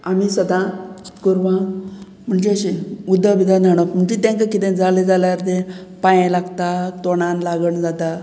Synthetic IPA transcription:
amisəd̪ãkoɾʋã | m̤əɳd͡zeəɕeud̪ʱːəbid̪ãnʱaɽ̃əkm̤əɳd͡zet̪ẽŋkakit̪ẽd͡zaled͡zaljaɾt̪ẽpãjẽlaɡt̪at̪oɽ̃ãnlaɡəɳd͡zat̪a

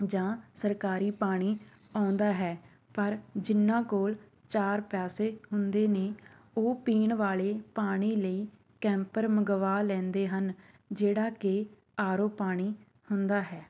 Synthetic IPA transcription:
d͡ʒãːsəɾkaːɾiːpaːɽ̃iː | ãːnd̪aːɦɛː | pəɾd͡ʒɪnːãːkoːl | t͡ʃaːɾpɛːseːɦʊnd̪eːneː | oːpiːɳʋaːleːpaːɽ̃iːləiː | kɛ̃ːmpəɾməɡʋaːlɛ̃ːnd̪eːɦən | d͡ʒeːɽaːkɪ | aːɾoːpaːɽ̃iː | hʊnd̪aːɦɛː

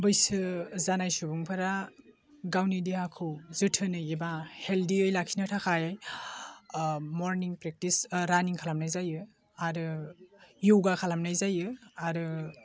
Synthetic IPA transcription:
bɯjsɯzanajsubuŋpʰaɾa | ɡawnidiakʰɯwzɯtʰɯnɯjebaheldiɯjlakʰinatʰakʰajaj | moɾniŋpɾek̚tisɾaniŋkʰalamnajzajɯ | aɾɯ | juwɡakʰalamnajzajɯaɾɯ

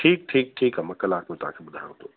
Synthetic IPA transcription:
ʈʰiːk̚ʈʰiːk̚ʈʰiːkamɐ̃kɐlaːkmẽt̪ʊã̰kʰeɓʊd̪ʱa̰ːjõt̪ʰoː

